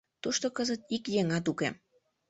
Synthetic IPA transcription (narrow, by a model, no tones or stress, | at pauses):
t̪uʃt̪okəzət̪ikjeŋɑt̪̬ukḛ